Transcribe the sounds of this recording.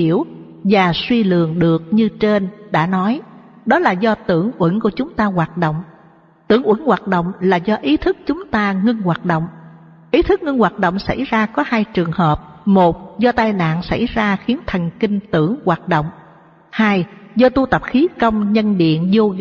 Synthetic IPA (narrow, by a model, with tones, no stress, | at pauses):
i˧˩əw | vaː˨˩swi˧lɨ̰˨əŋɗɨ˨˩ək̚ɲɨ˧t͡ɕe˧nɗa̰ː˧˥nɔ˨˦j | ɗɔ˨˦laː˨˩zɔ˧t̪ɨ˧˩əŋʔwə˧˩nku˧˩ət͡ɕʊ˨˦ŋ͡mt̪aː˧ɣwaː˨˩t̚ɗo̰˧˨wŋ͡m | t̪ɨ̰˧˩əŋʔwə˧˩nwaː˨˩t̚ɗo̰˧˨wŋ͡mlaː˨˩zɔ˧ʔi˨˦t̪ʰɨ˦˥k̚t͡ɕʊ˨˦ŋ͡mt̪aː˧ŋɨ˧nɣwaː˨˩t̚ɗo̰˧˨wŋ͡m | ʔi˨˦t̪ʰɨ˦˥k̚ŋɨ˧ŋɣwaː˨˩t̚ɗo̰˧˨wŋ͡msa̰˧˩jzaː˧kɔ˨˦haː˧jt͡ɕɨ˨˩əŋhəː˨˩p̚mo˨˩t̚zɔ˧t̪aː˧jna̰ː˧˨nsa̰˧˩jzaː˧xi˨˦ənt̪ʰə˨˩ŋ̟ki˧ŋ̟t̪ɨ˧˩əŋɣwaː˨˩t̚ɗo̰˧˨wŋ͡m | haː˧jzɔ˧t̪u˧t̪ə˨˩p̚xi˨˦kə˧wŋ͡mɲə˧nɗḭ˧˨ənzo˧